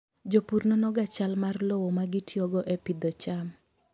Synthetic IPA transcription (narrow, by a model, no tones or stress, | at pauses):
d͡ʒopurnɔnɔɡat͡ʃalmarlɔwɔmaɡɪtjɔɡɔʔepid̪ɔt͡ʃam